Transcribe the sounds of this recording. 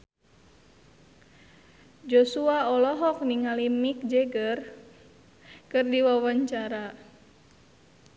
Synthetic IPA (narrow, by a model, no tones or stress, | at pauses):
d͡ʒosuaɔlɔɦɔk̚niŋalimik̚d͡ʒɛɡər | kɨrdiwawaɲt͡ʃaɾa